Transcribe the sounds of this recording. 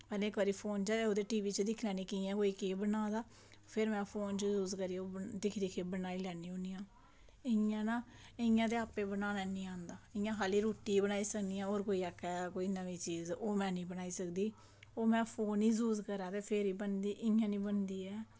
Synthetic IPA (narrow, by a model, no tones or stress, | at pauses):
pɛːlẽːkʋəɾiːpʰoːnt͡ʃaːeoːd̪eːʈiːʋiːt͡ʃəd̪ɪkʰlɛːniːkɪãːkoːiːkeːbənãːd̪aː | pʰɪɾmɛ̃ːpʰoːnt͡ʃəzuːzkəɾiːod̪ɪkʰd̪iːkʰeːbənaːiːlɛːnĩːõniːãː | ɪjãːnaː | ɪjãːt̪eːaːpeːbənaːnaːnĩːãːnd̪aːɪjãːɦaːliːɾoːʈiːbənaːiːsəkd̪ijãːoːɾkoːiːakːɛːkoːiːnəʋĩːt͡ʃiːzoːmɛ̃ːnĩːbənaːiːsəkd̪iː | oːmɛ̃ːpʰoːniːsuːzkəɾãːt̪eːpʰeɾiːbənd̪iːʔɪjãːnĩːbənd̪iːɛː